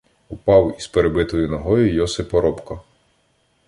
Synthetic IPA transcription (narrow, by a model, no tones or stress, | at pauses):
ʊpɑwizpeɾebɪt̪ɔjʊnɔɦɔjʊjɔsɪpɔɾɔpkɐ